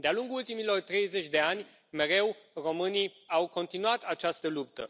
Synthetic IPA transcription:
d̪ealuŋɡuult̪imilo̞rt̪ɾe̞jze̞t͡ʃʲd̪e̞anʲ | me̞ɾe̞wro̞mɨniawko̞nt̪inuat̪at͡ʃast̪əlup̚t̪ə̰

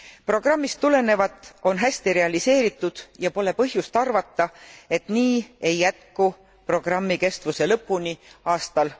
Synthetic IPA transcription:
pro̞ɡ̥rɑmːist̪ːule̞ne̞vɑt̪ˑːo̞nɦæsʲt̪iɾe̞ɑlise̞ːɾit̪ːˑud̪̥jɑpo̞le̞pɤɦjust̪ɑrvɑt̪ːˑɑe̞t̪niːe̞jːæt̪̚ku | pro̞ɡ̥rɑmːike̞st̪vuse̞lɤpːˑuniɑːst̪ɑl

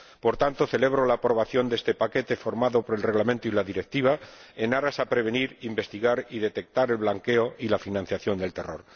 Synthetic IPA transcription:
po̞ɾt̪ant̪o̞θe̞le̞β̞ɾo̞laːpɾo̞βaθjo̞nd̪est̪e̞pake̞t̪e̞fo̞ɾmaðo̞poɾelre̞ɣlament̪oilaðiɾe̞k̚t̪iβ̞ae̞naɾasapɾe̞β̞e̞niɾimbe̞st̪iɣaɾiðe̞t̪e̞k̚t̪aɾe̞lβlaŋke̞oʔilafinãn̟θjaθjo̞nd̪e̞lt̪e̞ro̞̰ɾ

